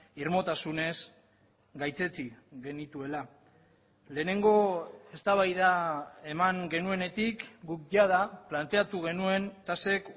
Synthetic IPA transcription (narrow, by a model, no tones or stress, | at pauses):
irmo̞t̪asune̞s | ɡajt͡se̞t͡siɣe̞nit̪ue̞la | le̞ːne̞ŋɡo̞e̞st̪aβajðae̞maŋɡe̞nue̞ne̞t̪ikɡukʝaðaplant̪e̞at̪uɣe̞nue̞nt̪ase̞k